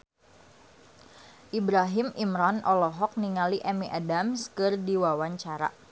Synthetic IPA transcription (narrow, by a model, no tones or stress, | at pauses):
ʔibɾaɦɪmimɾanʔɔlɔɦɔk̚niŋaliʔɛmiʔadamskɨrdiwawaɲt͡ʃaɾa̰